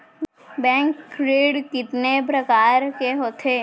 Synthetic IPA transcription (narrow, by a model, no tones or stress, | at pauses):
bɛ̃ːŋkɾeːɽkɪt̪nepɾəkaːɾkeɦoːt̪ʰeː